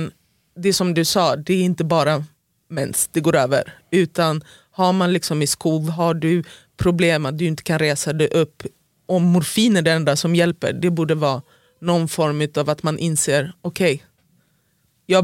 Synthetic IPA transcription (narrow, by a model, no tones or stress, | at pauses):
n | d̪ɛsɔmd̪ɵsɑːd̪ɛɾɪnt̪əbɑːɾa | mɛnsd̪̥ɛɡoːɾøːvə̰ɾʉ̟ːt̪an | haɾmanlɪksɔmɪskuːvɦaɖɵ | pʰɾʊbleːmat̪̚d̪ɵɪnt̪ə̥kʰanɾeːsad̪ɛʔɵpː | ʔɔmːʊɾfiːnəɖɛɾɛnd̪asɔmjɛlpə̰ɖɛbuːɖəvɑː | nɔnːfɔɾmʉ̟ːt̪avat̪manʔɪnseːɾɔkʰɛj | jɑː